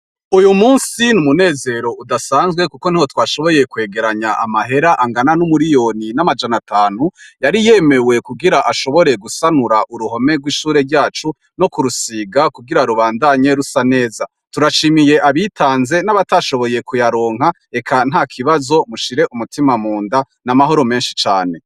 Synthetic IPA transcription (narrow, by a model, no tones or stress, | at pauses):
ujumuːnsinumune̞ːze̞ːɾo̞udasaːnzɡwe̞kukon̥ihwo̞twaːʃoβo̞je̞kwe̞ːɡe̞ɾaɲaʔa̰maɦe̞ɾaʔaŋɡananumuɾijo̞ninamad͡ʒanatʰaːn̥ujaɾije̞me̞we̞kuɡiɾaʔaʃo̞βo̞ɾe̞ɡusanuɾaʔuɾuho̞me̞ɡwiːʃuːɾe̞ɾɟaːt͡ʃu | no̞kuɾusiːɡakuɡiɾaɾuβaːndaɲe̞ɾusane̞ːza | tuɾaʃimije̞ʔaβitʰaːnze̞naβataʃo̞βo̞je̞kujaɾoːŋha | e̞kʰan̥ɦaːkʰiβazo̞muʃiɾe̞ʔumutimamuːnda | namaɦo̞ɾo̞me̞ːnʃi̥t͡ʃaːne̞